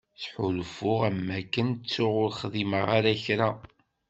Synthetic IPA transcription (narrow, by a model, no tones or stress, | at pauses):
θħʊlfʊʁæmːækːənt͡sːʊʁʊɾχðiməʁaɾæçɾæ